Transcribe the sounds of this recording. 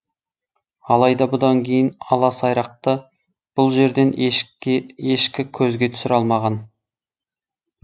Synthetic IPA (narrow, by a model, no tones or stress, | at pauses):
ɑlˠɑjd̪ɑbʊd̪ɑŋkʲʰe̞jɪnɑlˠɑsɑjɾɑqt̪ə | b̥ʊlˠʒe̞ɾd̪e̞n | eʃkʲɪkʲʰɵzɡʲe̞t̪ʰʏsɪɾɑlˠmɑʁɑn